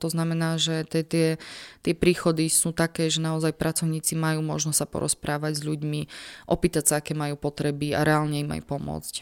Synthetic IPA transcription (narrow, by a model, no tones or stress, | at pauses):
t̪ɔznamɛnaːʒɛt̪ɛt̪ɪɛt̪ɪɛpɾiːxɔd̪isuːt̪akɛːʒɛnaɔzajpɾʔat͡sɔʊɲiːt͡simajuːmɔʒnɔstːsapɔ̰ɾɔ̰spɾaːʋaɟzʎuɟmiʔɔpiːt̪acsaakɛːmajuːpɔt̪ɾɛbia̰ɾɛaːlɲɛima̰jpɔmʊɔ̰t͡sc